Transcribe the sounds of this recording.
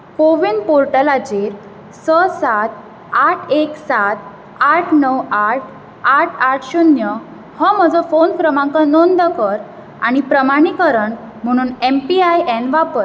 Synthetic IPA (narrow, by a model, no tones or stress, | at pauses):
koʋinpoɾʈəlad͡ʑiɾ | səsat̪̚ | aʈʰeksat̪ | aʈʰnəwaʈ̚ʰ | aʈʰaʈʰɕunjə | həm̤əd͡zɔfonkɾəmãŋkanɔnd̪əkəɾ | a̰ɽ̃ipɾəmaɽ̃ikəɾəɳ | m̤əɽ̃uːnempiajenʋapəɾ